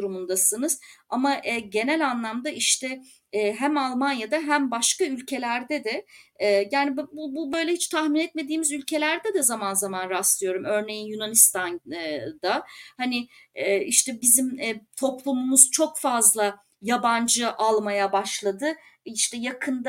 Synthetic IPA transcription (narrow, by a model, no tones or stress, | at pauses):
uɾumund̪asɯnɯz̥amaʔɛɟe̞nælʲanlˠamd̪aʔiʃt̪ʰɛ | ɦæmalˠmanjad̪aɦæmbaʃkaylʲcʰe̞lʲæɾd̪ɛd̪ɛ | jaːnibbububø̞jlʲɛhit͡ʃt̪ʰaxminɛt̪̚me̞d̪iːmizylʲcʰe̞lʲæɾd̪ɛd̪ɛzamanzamanɾaslˠɯjo̞ɾumø̞ɾne̞jinjunanist̪ʰand̪ahanɪ | ɛːiʃt̪ɛbizimːt̪ʰo̞plˠumumuzt͡ʃʰo̞kfazlˠa | jaband͡ʒɯʔalˠmajabaʃlˠad̪ɯiʃt̪ɛjakʰɯnd̪